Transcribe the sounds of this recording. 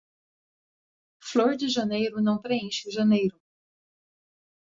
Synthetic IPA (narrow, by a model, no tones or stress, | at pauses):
floɾd͡ʒɪʒɐnejɾʊnɐ̃w̃pɾeẽʃɪʒɐnejɾʊ